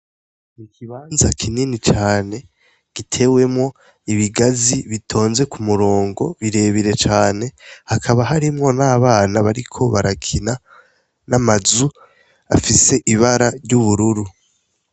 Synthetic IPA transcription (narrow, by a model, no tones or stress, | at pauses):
nikʰiβaːnzakʰininit͡ʃaːne̞ | ɡ̥itʰe̞we̞mŋo̞ | iβiɡaziβitʰo̞ːnze̞kumuɾo̞ːŋɡo̞βiɾe̞βiɾe̞t͡ʃaːne̞hakʰaβaɦaɾimŋo̞naːβaːnaβaɾikʰo̞βaɾakʰina | namazu | a̰fise̞ʔiβaɾaɾɟuβuɾuɾu